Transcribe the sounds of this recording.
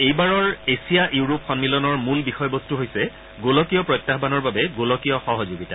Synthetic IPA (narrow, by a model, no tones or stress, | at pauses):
ejbaɹɔɹesijaʔjuɹopxɔnmilɔnɔɹmulbixɔjbɔstuɦojsɛ | ɡolɔkijɔpɹɔjtːaɦbanɔɹbabɛɡolɔkijɔxɔɦɔzoɡita